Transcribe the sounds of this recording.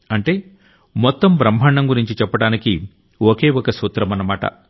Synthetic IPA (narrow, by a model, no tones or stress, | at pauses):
ɐɳʈe̞ː | mɔt̪ːɐmbɾɐmbʱɐaːɳːɐmɡuɾiɲt͡ʃit͡ʃɛpːɐɽaːniki | oke̞ːɔkɐsuːt̪ɾɐmɐnɐmaːʈɐ̰